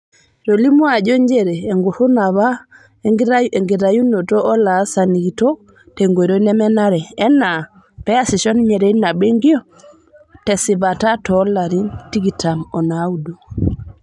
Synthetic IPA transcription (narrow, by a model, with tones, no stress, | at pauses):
ɾo˨li˦mu˦a˨d͡ʒɔ˦ɲd͡ʒe˦ɾeː˨ŋɡu˨hu˦na˨βa˦ | ŋɡi˨ɾa˨ju˦no˨tɔː˦la˨˦sa˨ni˨ɡi˨tɔ˦ | te˨ŋɡo˨ɾo˦nɛ˦mɛ˦na˦ɾɛ˨ɛ˦na˨ | pɛ˦a˦si˨ʃɔ˦nmɛ˨ɾe˦na˨ɓe˦ŋɡi˦ɔ˦ | tɛ˨si˨βa˨ta˦tɔ˦la˨ɾi˦nti˦ɡi˨ta˨mɔ˨na˨˦u˦du˨